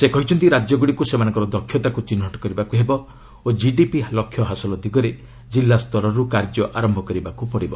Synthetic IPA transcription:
sekɔɦit͡ʃʰɔnt̪iɾad͡ʒjɔɡuɽikusemanɔ̃ŋkɔɾɔd̪ɔkʰːjɔt̪akut͡ʃinɦɔʈɔ̥kɔɾibakuɦebɔ | od͡ʒiɖipilɔkʰːjɔɦasɔlɔd̪ʱiɡɔɾe | d͡ʒilːast̪ɔɾɔɾukaɾd͡ʒɔʔaɾɔmbʱɔkɔɾibakupɔɽibɔ

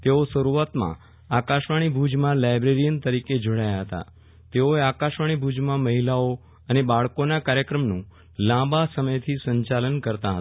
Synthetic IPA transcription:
t̪eosəɾuat̪mã̰ | akaʃʋaɽ̃ibʱud͡ʒmãlajbɾeɾijənt̪əɾiked͡ʒoɽajaɦət̪a̰ | t̪eoeakaʃʋaɽ̃ibʱud͡ʒmãməɦilao | ənebaɭkonakaɾjəkɾəmnũ | lãbasəməjt̪ʰisə̃ɲt͡ʃalənkəɾt̪aɦət̪

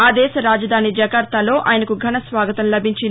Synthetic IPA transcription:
aːd̪ɛːsɐɾaːd͡ʒɐd̪ʱaːnid͡ʒɐɡɐɾt̪aːlo̞ːʔʔaːjɐnɐkuɡʱɐnɐsʋaːɡɐt̪ɐmlɐbʱiɲt͡ʃi

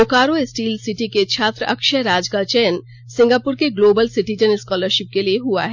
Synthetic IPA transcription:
okaːɾoɪsʈiːlsɪʈiket͡ʃʰaːt̪ɾəɐkʃəɾaːd͡ʒkat͡ʃɛːən | sɪ̃ŋɡaːpʊɾkeɡloːbəlsɪʈid͡ʒənɪskɔːləɾʃɪp̚kelieɦua̰ɦɛ

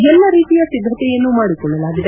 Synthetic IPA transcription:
ɛlːɐɾiːt̪ijasid̪ʱɾɐt̪ejeːnːuːmaːɽikːoɭːelaːɡid̪e

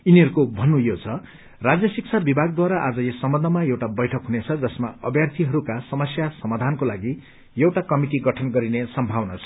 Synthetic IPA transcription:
iniɦʌɾukobʱʌnːũjot͡sʰʌ | rad͡zjʌsik̚t͡sʰabibʱaɡ̚d̪waɾaʔad͡zʌjesʌmbʌnd̪ʱʌmaewʈabʌjʈʰʌkɦunet͡sʰʌd͡zʌsmaʌbjart̪ʰiɦʌɾukasʌmʌsjasʌmad̪ʱankolaɡi | jewʈakʌmiʈiɡʌʈʰʌnɡʌɾinesʌmbʱawnat͡sʰʌ̥

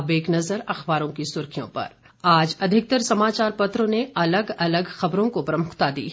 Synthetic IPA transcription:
beːknɐzəɾɐxbaːɾõkisʊɾkʰijõ̰pɐ̰ɾ | aːd͡ʒɐd̪ʱɪk̚t̪əɾsɐmaːt͡ʃaːɾpɐt̪ɾõneɐləɡɐləɡxɐbɾõkopɾɐmʊqt̪ad̪ḭː

